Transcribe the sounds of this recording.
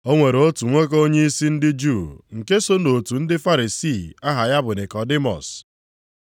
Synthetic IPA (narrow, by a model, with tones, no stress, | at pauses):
o˦ŋʷe˨ɾo˦tu˨ŋʷe˦k̬o˦ɲe˦i˦si˦n̩˦dɪ˦d͡ʒu˦˨ŋ̩˨ke˦so˦no˨tu˨n̩˦dɪ˦fa˦ɾi˨si˦˨a˦ɦa˨ja˦bʊ˨ne˨kɔ˨dɪ˦mɔ̰˨s